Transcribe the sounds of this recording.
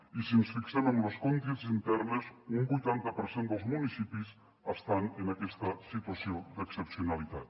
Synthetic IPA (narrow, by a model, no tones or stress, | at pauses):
isinsfiksɛməmloskont̪izint̪ɛrnəzumbujt̪ant̪əpəɾsend̪əlˠzmunisipis | əst̪anənakɛst̪əsit̪wasiod̪əksəpsiunalit̪at̪